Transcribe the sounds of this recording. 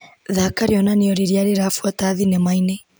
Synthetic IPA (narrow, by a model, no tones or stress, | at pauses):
ðakaɾiɔnaneɔɾiɾjaɾeɾafwataːðinemaine